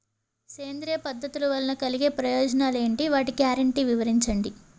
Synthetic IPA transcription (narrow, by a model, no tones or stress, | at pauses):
seːnd̪ɾijɐpɐd̪ʱːɐt̪uluʋɐlɐnɐkɐliɡe̞ːpɾɐjɔːd͡ʒɐnaːleːɳʈiʋaːʈikjaːɾɐɳʈiʋiʋɐɾiɲt͡ʃɐɳɖi